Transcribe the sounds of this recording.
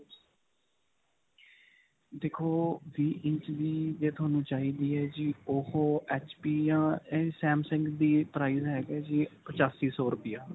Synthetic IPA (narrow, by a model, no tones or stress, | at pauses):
d̪eːkʰːoːʋiːʔɪ̃ɲt͡ʃd̪iːd͡ʒeːt̪ʰʊaːnũːt͡ʃaːɦiːd̪iːɦɛːd͡ʒioːhoːɛːt͡ʃpiːjãːeːsɛːmsə̃ŋkd̪iːpɾaːiːzɦɛːɡɛːd͡ʒiːpət͡ʃaːsiːsɔːɾʊpɪjaː